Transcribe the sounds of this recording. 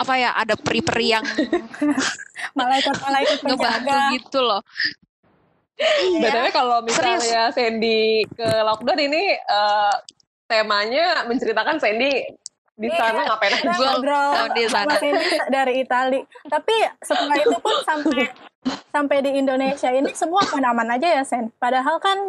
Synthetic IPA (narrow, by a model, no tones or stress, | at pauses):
apajaʔa̰dapɾipəriaŋ | malaikat̪̚malaiupŋəbaɡuɡit̪ulɔh | badawakalomisaajasɛndikəlɔk̚dɔniniəː | t̪emaɲaməɲt͡ʃəɾit̪akansɛndi | disanaŋapanaɡɡɾaisamasɛidaɾiːt̪alit̪apisəmuait̪upʊnsampasampajdiːndonesiainisəmuahpanamanad͡ʒajasɛnpadaɦalkan